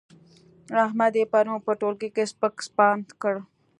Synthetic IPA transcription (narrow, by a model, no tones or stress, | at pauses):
ɾaɦmad̪epaɾũpəʈoːlkekespəkspaːnt̪kəɽ